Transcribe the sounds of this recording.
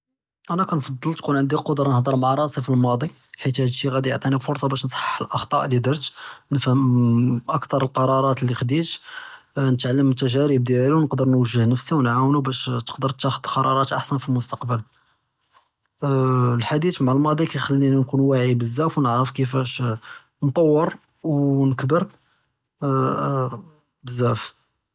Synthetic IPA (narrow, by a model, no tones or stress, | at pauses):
ʔænækænfɑd̪ˤːəlt̪kunʕənd̪iqod̪ɾˤɑnəhd̪əɾˤmaʕɾˤɑsˤifilmɑd̪ˤi | ħit̪hæd̪ʃiɣæd̪iəʕt̪ˤinifʊɾsˤɑbæʃnsˤħə̥ħəlʔɑxt̪ˤɑʔlid̪əɾt̪nəfhəmʔəkt̪ɑɾˤəlqɑɾˤɑɾˤɑt̪lːixd̪it̪ | nət̪ʕalːəmət̪ːæʒæɾib̚d̪jælæluwnəqd̪əɾnwəʒːəhnəfsiwnʕawnubæʃt̪ə̥qd̪əɾˤt̪ːæxəd̪qɑɾˤɑɾˤɑt̪ʔaħsənfilmʊst̪ɑqbəl | lħad̪it̪maʕalmɑd̪ˤikæjxælːinænkunwaʕibəzːæfwnəʕɾəfkəfæʃ | nt̪ˤɑwːəɾ | wnəkbəɾ | bəzːæf